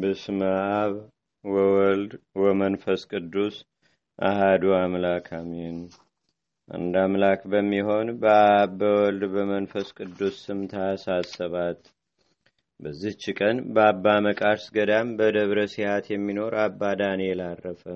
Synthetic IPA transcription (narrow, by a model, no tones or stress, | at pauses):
bɨsməʔaβ | wɔwɔld̪wɔmənfəskʼɨd̪ːus | ʔa̰had̪uamlakʰamen | ʔa̰nd̪amlakbəmːiɦo̞nbəabəwɔld̪bəmənfəskʼɨd̪ːusːɨmt̪ʰasasːəβat̪ | bəzːiht͡ʃːɪkʼənbəabːaməkʼaɾsɡəd̪ambəd̪əβɾəsihat̪jɛmːino̞ɾabːad̪anelarːəfə